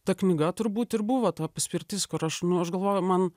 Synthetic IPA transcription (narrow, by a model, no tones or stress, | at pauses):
t̪ɐknʲɪɡɐt̪ʊɾbuːt̪ɪɾbʊʋoːt̪ɑːpɐsʲpʲɪɾʲt̪ʲɪskʊɾɐʃnʊɐʃɡɐlˠʋoːjʊmɐn